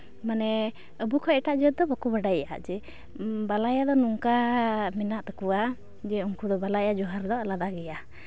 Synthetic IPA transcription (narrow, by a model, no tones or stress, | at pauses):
manɛ | əbukʰɔɛʈaʔd͡ʒt̪̚d̪ɔbakubaɖaja̰d͡ʒɛ | balajad̪ɔnuŋkamɛnaʔt̪ḁkuwa | d͡ʒɛuŋkud̪ɔbalajad͡ʒɔɦaɾd̪ɔlad̪aɡɛja